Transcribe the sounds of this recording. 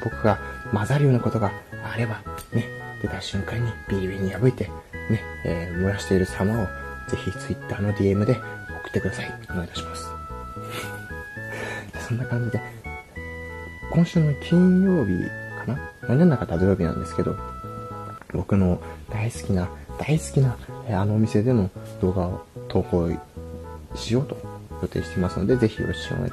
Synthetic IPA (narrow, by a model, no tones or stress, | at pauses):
b̥o̞kɯ̟ɡamazaɾɯ̟jo̞ːnako̞t̪o̞ɡaːɾe̞bane̞d̪̥e̞t̪aɕɨ̃ŋkaɲ̟ːib̥ʲiɾi̟bʲiɲ̟ːijabɯ̟it̪e̞ | ne̞ːmɯ̟ɾaɕi̥t̪e̞iɾɯ̟samao̞ | z̥e̞çʲit͡sɨit̪ːaːno̞d̪ʲie̞mɯ̟d̪e̞o̞kɯ̥t̪ːekɯd̪asaiomoit̪ḁɕi̥masɨ̥ | sõ̞nːakãɲ̟d͡ʑid̪e̞ | kõ̞ɰ̃ɕɨːnokʲĩɲ̃jo̞ːbʲḭkanamanenːakat̪ad̪ojo̞ːbʲinã̰nd̪e̞sɨ̥ke̞d̪o̞̰ | bo̞kɯ̟no̞d̪aisɨ̥kʲinad̪̥aisɨ̥kʲinaano̞ːmʲise̞d̪e̞mo̞d̪̥o̞ːɡaot̪ʰo̞ːko̞ː | ɕio̞ːt̪o̞jo̞t̪e̞ːɕi̥t̪emasɨno̞̰d̪e̞ze̞çʲḭʔo̰ɕi̥ɕõ̰